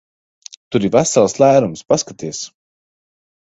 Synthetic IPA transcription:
t̪uɾivæsalˠslˠæːɾumspaskat̪iɛs

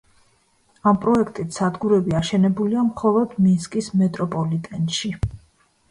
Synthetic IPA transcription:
ampʼɾɔɛkʰt̪ʼit̪ʰsad̪ɡuɾɛbiaʃɛnɛbuliamχɔlˠɔd̪̥minskʼismɛt̪ʼɾɔpʼɔlit̪ʼɛnʃi

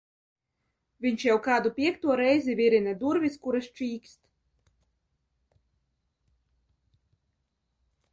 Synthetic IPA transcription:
vʲiɲʲʃjawkaːd̪upʲiɛkt̪uɔɾɛjzivʲiɾinɛd̪uɾvʲiskuɾast͡ʃiːkst̪

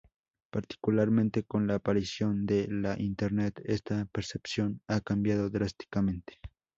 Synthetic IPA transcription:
paɾt̪i̥kulaɾmẽ̞nt̪e̞ko̞nlaːpaɾisjo̞nd̪e̞laʔint̪eɾnet̪e̞st̪apeɾsepsjo̞nakambjaðo̞ðɾast̪i̥kamẽ̞nt̪e̥

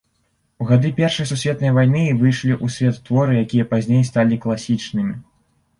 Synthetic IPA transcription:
uɣad̪ɨpʲɛrʂɐjsusʲvʲɛt̪nɐjvajnɨvɨjʂlʲiʔusʲvʲɛt̪ːvɔɾɨjakʲijɐpazʲnʲejst̪alʲiklˠasʲit͡ʂnɨmʲi

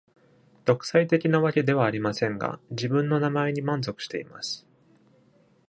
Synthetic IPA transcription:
d̪̥o̞kɯ̥sait̪e̞kʲinaβakʲe̞d̪e̞βaːɾʲimasẽ̞ŋɡa̰d͡ʑibɯ̟̃nːo̞namae̞ɲ̟imãnzo̞kɯ̟̥ɕi̥t̪e̞ima̰sɨ̥

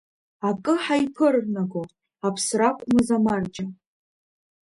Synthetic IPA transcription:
akʼɨħaipʰɨrnaɡo | apʰsrakʷʼmɨzamard͡ʒʼa

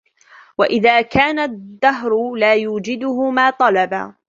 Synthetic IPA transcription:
waʔɪðaːkaːnad̪ːaɦɾʊlaːjuːd͡ʒɪd̪ʊhʊmaːt̪ˤɑlɑba̰ː

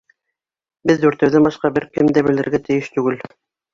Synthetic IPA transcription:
bɘðd̪ʉɾt̪ɘ̆wðæmbɑʃqɑbɘɾkɘmd̪æbɘ̆lɘ̆ɾɡæt̪ɘ̆jɘʃt̪ʉɡɘl

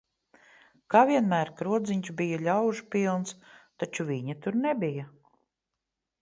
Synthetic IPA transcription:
kaːvʲiɛnmæːɾkɾuɔd̪ziɲt͡ʃbijaʎʲawʒpilˠnst̪at͡ʃuviɲat̪uɾnɛbija

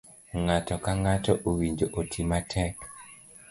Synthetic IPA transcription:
ŋatɔkaŋatɔʔuwiɲd͡ʒoʔotʰimatʰɛk

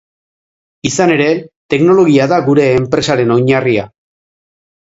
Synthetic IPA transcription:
isane̞ɾe̞t̪e̞kno̞lo̞ɣ̞iaðaɣuɾe̞ːmpɾe̞saɾe̞no̞jɲaria

